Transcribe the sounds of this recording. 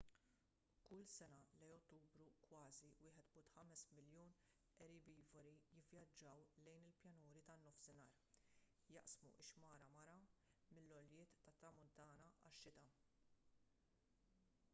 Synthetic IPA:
kʊlsɛnɐlɛjɔt̪ːuːbɾukwɐːziwɪːħɛt̪bʊːt̪ħɐmɛsmɪljuːn | ɛɾɪbiːvɐɾijɪvjɐd͡ʒːɐwlɛjnɪlpjɐnuːɾit̪ɐnːɔfsɪnɐːɾ | jɐʔsmṵʔɪʃmɐːɾɐmɐɾɐmɪlːɔljɪːt̪ːɐt̪ːɾɐmʊnt̪ɐːnɐɐ̰ʃːɪt̪ɐ

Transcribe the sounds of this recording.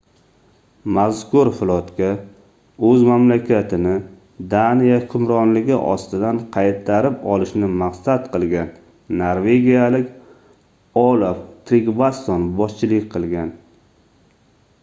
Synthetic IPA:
mazkʰʊɾfʊlˠɒt̪kʲa | ɵzmamlakʲat̪ʰɪnɪ | d̪anijakʰʊmɾɒnlɪɡʲɪʔɒ̰st̪ɪd̪anqʰɑjt̪ʰːaɾɪpɒlɪʃnɪmaqsat̪qɨlˠɡʲanː | oɾve̞ɡʲijalɪkʲ | ɒlˠoft̪ʰɾiɡbast̪onbɒst͡ʃʰɪlɪkʲqʰɨlˠɡʲan

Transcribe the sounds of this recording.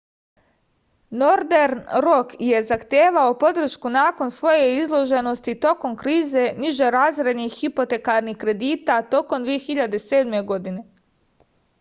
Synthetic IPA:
noɾd̪eɾnɾokje̞zaxt̪jeːʋaopo̞d̪r̩ʃkunaːko̞nsʋo̞je̞izlˠo̞ʒe̞no̞st̪it̪o̞ko̞mkɾiːze̞niʒeɾaːzɾe̞d̪nixːipo̞t̪e̞kaɾnixkːɾe̞d̪iːt̪at̪o̞ko̞md̪ʋijexiʎad̪e̞se̞ːd̪me̞ɡo̞d̪ine̞

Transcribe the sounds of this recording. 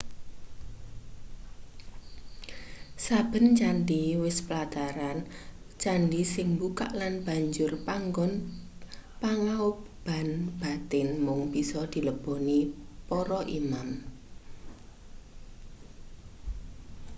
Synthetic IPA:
sab̥ə̤nt͡ʃandiwɪspəlat̪aɾan | t͡ʃanɖisɪŋbuka̰ʔlanb̥a̤ɲd͡ʒʊrpaŋɔn | paŋau | b̥a̤nb̥a̤t̪ɪnmʊŋb̥isɔd̪̥i̤ləb̥o̤nipɔɾɔʔimam

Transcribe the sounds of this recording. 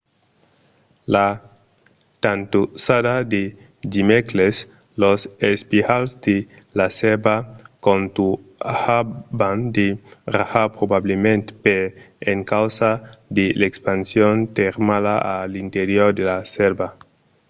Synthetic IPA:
la | t̪ant̪usadad̪e | dimekles | losespihalzd̪e | laselbakont̪uhaband̪eraxapɾobablemẽnt̪pe | eŋkawsad̪elekspansjont̪eɾmalaʔalint̪eɾjoɾd̪elaselba

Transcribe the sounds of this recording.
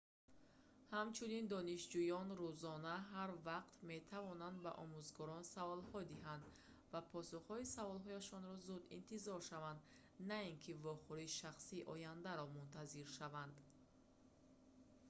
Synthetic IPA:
hamt͡ʃʰunind̪ɔniʃd͡ʒujɔnɾuzɔnaɦaɾvaqt̪met̪ʰavɔnand̪baʔɔmuzɡɔɾɔnsavɔlhɔd̪iɦand̪ | vapʰɔsuχhɔisavɔlɦɔjaʃɔnɾɔzud̪ḭnt̪ʰizɔɾʃavand̪ | nainkʰivɔχuɾiʃaχsiːʔɔjand̪aɾɔmunt̪ʰaziɾʃavand̪

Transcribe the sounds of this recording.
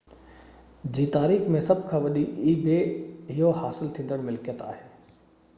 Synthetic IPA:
d͡ʑiːt̪aːɾiːxmẽsɐbʱkʰãːʋɐɗiʔiːbeɪɦohaːsɪlt̪ʰĩːn̆d̪əɽ̃mɪlkijət̪a̰ːɦeː

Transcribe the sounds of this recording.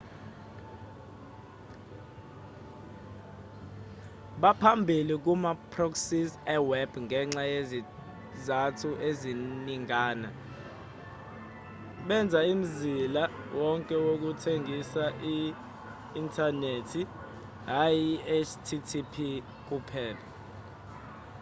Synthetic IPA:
ɓapʰambʱilik̬umapʰroksisɛwɛb̥ʱŋʱɛŋ͡ǁajezi | zatʰuʔeziniŋaːna | ɓɛnd͡zʱaim̩zila | wɔŋkʼɛwok̬utʰeŋʱisaʔiː | ntʰanetʰi | ɦajiet͡ʃtʰitʰipʰi | k̬upʰɛːla

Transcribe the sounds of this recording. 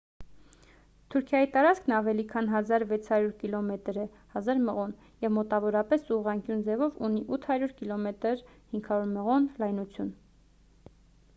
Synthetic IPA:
t̪ʰuɾkʰjɑjit̪ɑɾɑt͡skʰnɑvɛlikʰɑnɦɑzɑɾvɛt͡sʰhɑɾjuɾkilɔmɛt̪ɾɛ | hɑzɑɾməʁɔn | jɛvmɔt̪ɑvɔɾɑpɛsuʁɑŋkjund͡zɛvɔvuniʔut̪ʰhɑɾjuɾkilɔmɛt̪əɾhiŋkʰɑɾuɾməʁɔnlɑjnut͡sʰjun

